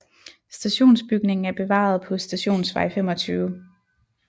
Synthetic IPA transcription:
sd̥æɕo̝̰ːnsb̥yɡ̥ne̝ŋn̩æɐb̥e̝ʋɑ̰̈ð̞̩ˠpʰɒ̽sd̥æɕo̝̰ːnsʋɑ̈ɪfem̰ɒ̽t͡sʰyːʊ

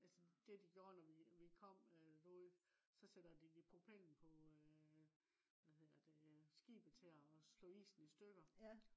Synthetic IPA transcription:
ʔælsəd̥e̝d̥iɡ̥joɐnɒʋiʋikʰɒ̽m̰ød̥o̥ | sɒ̽sed̥ɐd̥iipʰʁopʰel̰n̩pʰɒ̽ | ʋæhe̝ð̰ˠɐd̥esɡ̥ḭːb̥ət͡sʰe̝ɒslɔ̰ːḭːsn̩isd̥øɡ̥ɐ

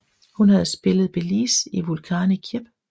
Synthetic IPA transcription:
hunhæð̞ˠsb̥e̝ləð̩ˠb̥elḭːsiʋulkʰɑ̈ːnikʰjeb̥

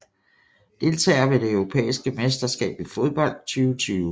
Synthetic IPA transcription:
d̥e̝lt͡sʰɛ̰ːɐʋe̝d̥e̝œʊʁo̝pʰḛːisɡ̥əmesd̥ɐsɡ̥ɛ̰ːb̥ifo̝ð̞ˠb̥ɒ̽l̰d̥̚t͡sʰyːʊət͡sʰyːʊ

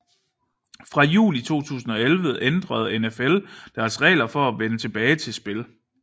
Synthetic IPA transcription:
fʁɑ̈jṵːlit͡sʰo̝̰ːt͡sʰṵːsn̩ɒ̽elʋəend̥ʁɐð̞ˠenefeld̥æɐsʁɛ̰ːlɐfɒ̽æʋenət͡sʰe̝b̥ɛːɪt͡sʰe̝lsb̥e̝l

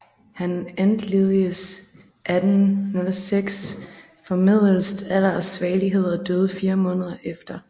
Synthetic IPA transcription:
hænænd̥leðˠiəs | ʔæd̥n̩nolseɡ̥s | fɒ̽mið̞̰ˠl̩sd̥ælɐsʋɛːliɦe̝ð̞̰ˠɐd̥øːð̞ˠfiːɐmɔ̽ːnəð̞ˠɐʔefd̥ɐ

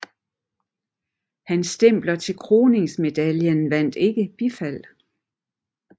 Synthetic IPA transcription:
hænsd̥em̰b̥lɐt͡sʰe̝lkʰʁo̝ːne̝ŋsme̝d̥æljənʋæn̰d̥e̝ɡ̥əb̥ifæl̰

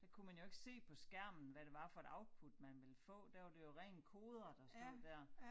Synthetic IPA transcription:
d̥æ̈kʰumænjo̝e̝ɡ̥se̝̰ːpʰɒ̽sɡ̥æɐ̰mn̩ʋæɾ̥e̝ʋɑ̈fɒ̽e̝d̥ɑ̈ʊd̥̚pʰud̥mænʋe̝lfɔ̰̽ːd̥æɐɑ̈d̥e̝jo̝ʁɛ̰ːnkʰo̝ːð̞ˠɐd̥ɑsnɔðˠd̥æɐ̰

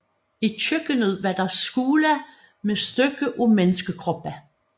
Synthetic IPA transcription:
it͡ɕʰøɡ̥ənəð̰ˠʋæd̥ɑsɡ̥uːlæ | mesd̥øɡ̥əʔumenəsɡ̥əkʰʁɔb̥æ

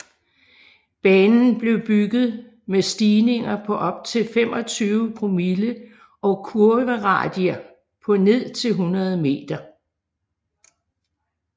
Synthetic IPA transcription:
b̥ɛːnn̩b̥le̝ʊb̥yɡ̥ð̩ˠ | mesd̥iːne̝ŋɐpʰɒ̽ʔɒ̽b̥̚t͡sʰe̝lfem̰ɒ̽t͡sʰyːʊpʰʁomilə | ʔɒ̽kʰuɐʋəʁɑ̰̈ːd̥iɐ | pʰɒ̽ne̝ð̞̰ˠt͡sʰe̝lɦunɐð̞ˠme̝̰ːd̥ɐ

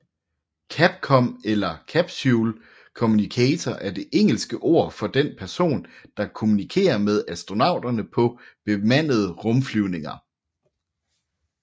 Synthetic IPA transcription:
kʰæb̥̚kʰɒ̽melɐkʰæb̥suːl | kʰo̝munikʰɛːt͡sʰɒʔæɐd̥e̝ʔeŋ̰l̩sɡ̥əʔo̝ɐ̰fɒ̽d̥enpʰæɐso̝̰ːnd̥ɑ̈kʰo̝munikʰe̝̰ːɐmeð̞ˠæsd̥ʁo̝nɑ̈ʊ̰d̥ɐnəpʰɒ̽b̥e̝mæn̰ð̞̩ˠəʁɔ̽mflyʊne̝ŋɐ

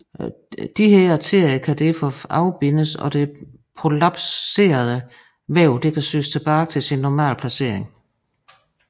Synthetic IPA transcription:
d̥iɦeɐ̰ɑt͡sʰe̝ɐ̰jəkʰæd̥æfɒɑ̈ʊb̥e̝nəsɒ̰̽d̥e̝ | pʰʁo̝lɑb̥sse̝̰ːɐð̞ˠə | ʋæʊd̥e̝kʰæsø̰ːst͡sʰe̝b̥ɑːt͡sʰe̝lsinːɒmæ̰ːlpʰlæse̝ɐ̰eŋ

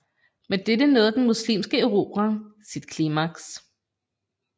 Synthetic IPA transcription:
med̥ed̥ənoːðˠd̥enmuslḭːmsɡ̥əeʁo̝̰ːb̥ʁasid̥kʰlimɑɡ̥s

